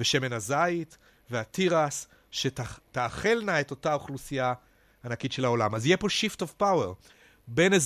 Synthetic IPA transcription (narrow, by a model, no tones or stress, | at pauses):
veʃe̞me̞nazajit̪ | veatiʁas | ʃetataːχe̞lnaeto̞taoχlusijaː | nakitʃe̞lao̞lamazijepo̞ʃiftovpaweʁ | benez